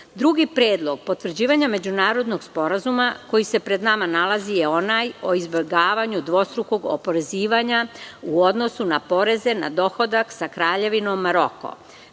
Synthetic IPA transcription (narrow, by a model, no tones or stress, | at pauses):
d̪ɾuɡipɾje̞ːd̪lˠo̞ɡ̥̚po̞t̪ʋr̩d͡ʑiːʋaɲame̞d͡ʑunaːɾo̞d̪no̞ɡspo̞ɾazumako̞jise̞pɾe̞d̪namanalazijeo̞najo̞izbeɡaːʋaɲud̪ʋo̞st̪ɾuko̞ɡo̰po̞ɾe̞ziːʋaɲauo̞d̪no̞sunapo̞ɾe̞ze̞na̰d̪o̞xo̞d̪aksakɾaːʎe̞ʋino̞mːaɾo̞ko̰